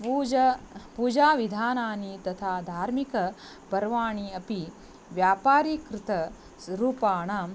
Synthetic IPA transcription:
puːd͡ʒɐpuːd͡ʒaːʋid̪ʱaːnaːnit̪ɐt̪ʰaːd̪ʱaːɾmikɐ | pɐɾʋaːɳiɐpi | ʋjaːpaːɾikɾɪt̪ɐ | sɾuːpaːɳa

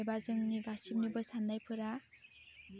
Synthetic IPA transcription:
jbazɯŋniɡasip̚nibɯsandajpʰɯɾa

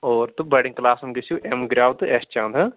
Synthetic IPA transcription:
oːɾt̪ubɐɽĩŋklaːsɐmɡisjuʔemɡɾʲaːʋt̪ɨest͡ʃãːnd̪ʱɐ

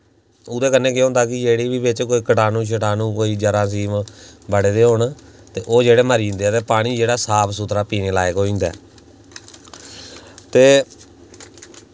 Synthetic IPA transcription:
ʊd̪eːkənːẽːkeɦʊ̃ːnd̪aːkɪd͡ʒeːɽiːbiːbɪt͡ʃkoːiːkəʈaːnũːʃ̬ʰəʈaːnũːkoːiːd͡ʒəɾãːs̬iːmbəɽeːd̪eːɦoːɳt̪eːʔoːd͡ʒeːɽeːməɾiːnd̪eːɛt̪eːpaːɽ̃iːd͡ʒeːɽaːsaːpʰsuːt̪ɾaːpiːneːlaːeːɡoːĩːnd̪a̰ː | t̪eː

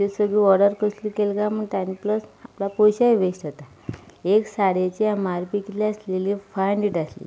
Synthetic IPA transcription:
t̪esəɡɭiɔɾɽɖəɾkəslikelɡaməɳt̪ajnpləsaplapojɕaʋesʈ̪ət̪a | eksaɽet͡ɕemaɾpikliaslelifajɳɖiʈaslḭ

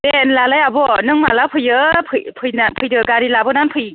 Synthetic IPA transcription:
denlalajabɔnɯŋma̰lapʰɯjɯpʰɯjpʰɯjnapʰɯjdɯɡaɾilabɯnanpʰɯj

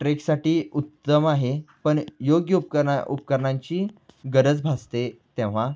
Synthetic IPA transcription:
ʈɾeksaʈiːut̪ːəmaɦepəɳjoɡjəup̚əṵpkəɾɳãɲt͡ɕiːɡəɾət͡sbʱast̪et̪ẽʋ̤a

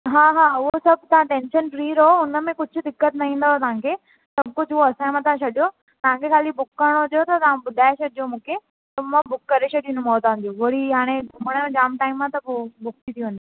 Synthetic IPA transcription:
ɦaːɦaːʊɦosɐb̚ʱt̪ɐʋ̤ãʈɛ̃ːnʃənfɾiːɾɦoʊnəmẽkʊd͡ʑʱʊ̆d̪ɪkːət̪nɐĩːn̆d̪at̪ɐʋ̤ãkʰe | sɐb̚kʊd͡ʑʱoɐsãːẽmãt̪ʰɐʋãt͡ɕʰɐɗijo | t̪ɐʋ̤ãkʰekʰaːlibʊkːəɾɽ̃oʊd̪jot̪ʰɐt̪ɐʋãbʊd̪ʱaːet͡ɕɐɗijomũːkʰe | t̪ɐmãbʊkːɐɾet͡ɕʰɐɗĩnd̪ũmoːt̪aɦʊ̃n̆d̪oʋɐɽiaːɽ̃eɡʱʊməɽ̃jõd͡ʑaːmʈaːɪmãt̪ɐpobʊk̚t̪it̪ʰiɦũnd̪i

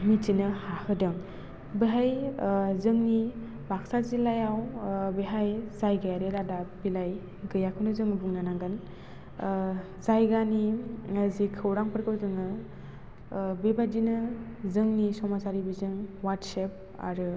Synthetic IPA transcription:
mizinɯhahɯdɯŋ | beɦajzɯŋni | bak̚sazilajawbeɦajzajɡajaɾeɾadapilaj | ɡɯjakʰɯnɯzɯŋɯbuŋnanaŋɡɯn | zajɡanizikʰɯwɾaŋpʰɯɾkɯwdɯŋɯ | bebadinɯ | zɯŋnisɔmasaɾibizɯŋwaɾdsep̚ | a̰ɾɯ

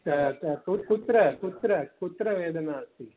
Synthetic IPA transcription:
kukut̪ɾɐkut̪ɾɐkut̪ɾɐʋeːd̪ɐnaːɐsi

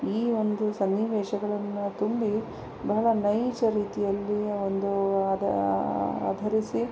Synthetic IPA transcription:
iːond̪usɐnːiʋeːʃɐɡɐɭɐnːut̪umbi | bɐɦɐɭɐnɐjt͡ʃɐɾiːt̪ijɐlːiond̪u | a̰ːd̪ʱɐɾisi

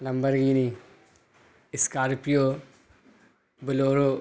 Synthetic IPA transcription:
lɐmbəɾɡiːni | ɪskaːɾpijo | bɪloːɾoː

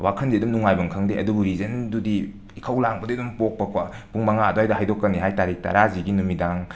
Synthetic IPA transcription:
wakʰɐnziɐdumnuŋajbɐŋkʰɐŋdeɐdubuɾizɐndudiː | kʰɐwlaŋbɐdiɐdumpok̚pɐkʰwapuŋmɐŋadoajdɐhajdokːɐniɦajtaɾik̚ta̰ɾaziɡinumidaŋ

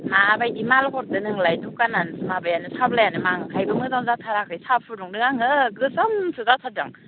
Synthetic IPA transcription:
mabajimalkʰɔɾ̚dɯnɯŋlajdukanansɯmabajanɯsablajanɯmaŋkʰajbɯmɯzaŋzatʰaɾakʰɯjsapʰɯɾduŋdɯŋaŋɯɡɯzamsɯzatʰadɯŋ

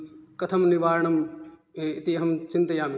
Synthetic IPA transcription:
kɐt̪ʰɐmniʋaːɾɳɐm | ɪt̪iɦɐmt͡ʃɪnt̪ɐjaːmi

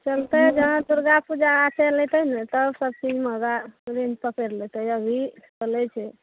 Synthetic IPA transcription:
t͡ʃəlt̪əd͡ʒəɦãd̪uɾɡapud͡ʒaːtelet̪ənɛt̪əbsəb̚t͡ʃid͡ʒmeɡaɾind͡ʒpəkeɾlet̪əəbʱit͡ʃəlɛt͡ʃʰɛ

